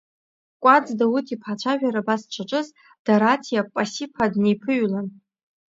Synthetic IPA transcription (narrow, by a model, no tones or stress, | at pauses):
kʷʼad͡zdautʰʼipʰħat͡ʃʷʰaʒᶣaɾabast͡ʃʷʰaʈ͡ʂʼɨz | d̥aɾatʰijapʼasipʰadnejpʰɨɥlan